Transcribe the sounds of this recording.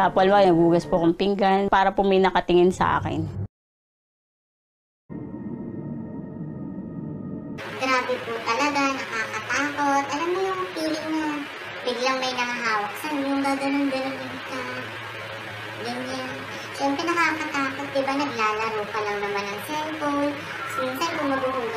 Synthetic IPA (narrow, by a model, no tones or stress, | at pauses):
aːpʔɐlmaɡnɐɡuːɡɐspokʊmpɪŋɡanpaːɾɐpomɐjnɐkɐt̪ɪŋɪnsɐ̰ʔa̰ːkɪ̰n | ɡɾaːbɪpʊt̪ɐlɐɡanɐkaːkɐt̪aːko̞t̪̚ʔɐlamːojʊŋpiːlɪŋɲɐ | bɪɡlɐŋmɐjnɐŋaɦaːwɐk̚sɐɲoŋɡ̪aːɡɐnond̪ɐnɐmɛnt̪a | ɡɐnɲan | ʃɛmpɾɛnɐkakɐt̪aːkot̪̚d̪ɪbanɐɡ̚laːlɐɾoːpɐlɐŋnɐmanɐŋsɛnp̪o | sint̪ɐjpʊmɐɡuɡuːɡ